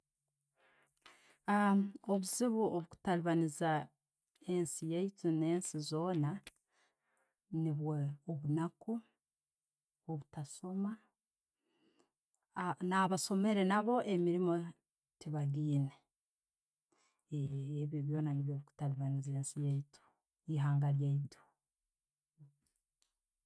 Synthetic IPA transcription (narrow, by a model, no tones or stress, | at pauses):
oβuziβuoβuku̥taliβaniza | e̞nsijeitine̞ːnsizo̞ːna | niβweoβunaku | oβutaso̞ma | naβaso̞me̞ɾe̞naβo̞ʔemiɾimo̞ | tiβaɡiːne | βoβjo̞ːnaniβjoβiku̥taliβanizeːnsijeitu̥ | iɦaːŋɡaɾjaito̥